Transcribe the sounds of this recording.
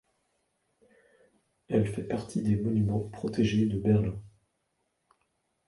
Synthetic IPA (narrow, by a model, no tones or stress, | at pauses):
ɛlfɛpaʁt̪ʰid̪emɔnymɑ̃pχɔt̪eʒed̪əbɛʁlɛ̃